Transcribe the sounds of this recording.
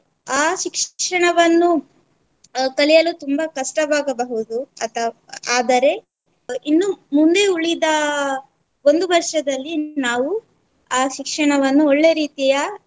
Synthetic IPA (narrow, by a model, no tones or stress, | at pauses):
aːʃikʂʂɐɳɐʋɐnːu | kɐlijɐlut̪umbɐkɐʂʈɐbaːɡɐbɐɦud̪uɐt̪ʰɐ | aːd̪ɐɾe̞ | inːumund̪e̞uɭid̪ɐ | o̞nd̪ubɐɾʂɐd̪ɐlːinaːʋu | aːʃikʂɐɳɐʋɐnːuɔɭːe̞ɾiːt̪ijɐ